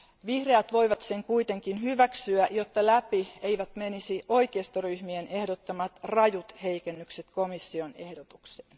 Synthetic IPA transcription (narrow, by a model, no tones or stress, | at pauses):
ʋihreæt̪ʋo̞iʋɑt̪seŋkuit̪eŋkinhyʋæksyæʔjot̪ːɑlæpieiʋæt̪menisiʔoikeːst̪oryhmienehdot̪ːɑmɑt̪rɑjut̪heikenːykset̪komisːionḛhdot̪ukse̥ːn